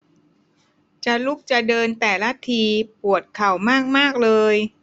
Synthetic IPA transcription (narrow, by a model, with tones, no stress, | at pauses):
t͡ɕa˨˩lu˦˥˩k̚t͡ɕa˨˩dɤː˧nt̪ɛː˨˩la˦˥t̪ʰiː˧pu˨˩ət̪̚kʰa˨˩wmaː˥˩k̚maː˥˩k̚lɤː˧j